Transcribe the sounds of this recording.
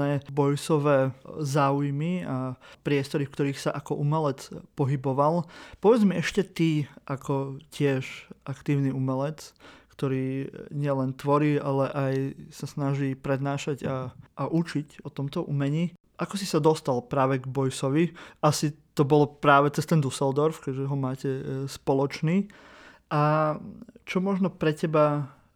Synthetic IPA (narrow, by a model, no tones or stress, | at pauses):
ɛːbɔjsɔʋɛːzaːujmiapɾɪɛst̪ɔɾifkt̪ɔɾiːxsaʔakɔʔumɛlɛt͡spɔɦibɔʋalpɔʋɛd͡zmiɛʃcɛt̪iʔakɔcɪɛʃʔakt̪iːʊniumɛlɛt͡skt̪ɔɾiːɲɪɛlɛnt̪ʋɔɾiːalɛʔajsasnaʒiːpɾɛd̪naːʃaɟaʔːʔut͡ʃicɔt̪ɔmt̪ɔʔumɛɲiː | ʔakɔsisad̪ɔst̪alpɾaːʋɛɡbɔjsɔʋiasit̪ɔbɔlɔpɾaːʋɛt͡sɛst̪ɛnd̪usɛld̪ɔɾfkɛʒɛɦɔmaːcɛspɔlɔt͡ʃniː | ʔa | t͡ʃɔmɔʒnɔpɾɛcɛba